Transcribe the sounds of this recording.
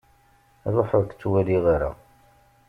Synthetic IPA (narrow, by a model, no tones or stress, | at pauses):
ðˤoħəðkt͡sːwæliʁiɾa̰